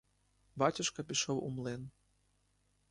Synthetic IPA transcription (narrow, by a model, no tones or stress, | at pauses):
batʲuʃkɐpʲiʃowumlˠen